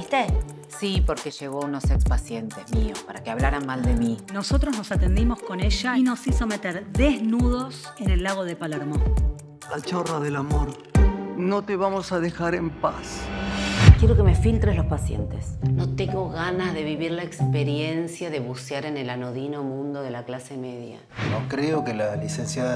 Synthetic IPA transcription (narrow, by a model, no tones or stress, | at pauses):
it̪e | sipoɾkeʒe̞ɣ̞o̞unosekspasjent̪ezmiospaɾakeaβlaɾanmald̪emino̞sot̪ɾoznosat̪end̪imo̞sko̞neʒaino̞siso̞me̞t̪eɾðeznuð̞o̞s | enelːaɣo̞ð̞epalaɾmo | lat͡ʃoraðelamoɾ | no̞t̪eβamo̞saðexaɾe̞mpa̰s | kje̞ɾo̞kemefilt̪ɾezlospasjḛnt̪esno̞t̪eŋɡo̞ɣanazðe̞βiβiɾlaekspeɾje̞nsjaðeβuseaɾe̞ne̞lanoðino̞mũnd̪oð̞elaklase̞me̞ðja̰ | nokɾeokelalisensja